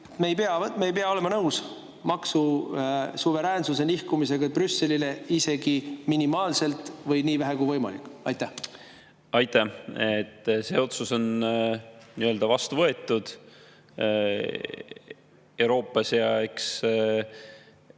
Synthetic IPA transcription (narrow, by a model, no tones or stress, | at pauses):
t̪meejpe̞ɑmeejpeɑole̞mɑnɤws | mɑksu | suve̞ɾæːnsuse̞nihkumise̞ɡ̥ɑb̥rysːe̞lile̞ise̞ɡ̥iminimɑːlse̞lt̪ˑvɤjniːvæɦekujvɤjmɑ̰lḭkːɑjt̪ːˑæh | ɑjt̪ːˑæet̪ːse̞ːo̞t̪suso̞n | niøld̪̥ɑvɑst̪uvɤe̞t̪ːˑud̪̥ | e̞wɾo̞ːpːˑɑsjɑeks